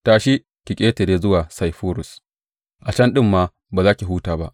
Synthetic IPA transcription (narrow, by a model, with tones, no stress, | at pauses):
taː˨ʃi˦ | kʲi˨kʲʼeː˦te˨deː˦zʊ˦waː˨sa˨jɸoː˦ɾʊ˨s | ʔa˨t͡ʃɐ˦nɗɪ˦mːaː˦ | baː˨zaː˦kʲi˨ɦuː˦taː˨ba˦ʔ